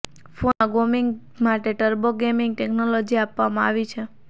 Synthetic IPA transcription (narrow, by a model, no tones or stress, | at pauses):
foaɡomiŋɡ | maʈeʈəɾboɡemɪŋɡʈeknolod͡ʒiapʋamãaʋit͡ʃʰe